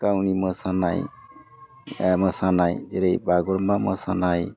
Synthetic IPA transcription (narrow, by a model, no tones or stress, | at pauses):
kawniməsana̰j | məsanajd͡ʒeɾejbaɡɔɾmaməsanaj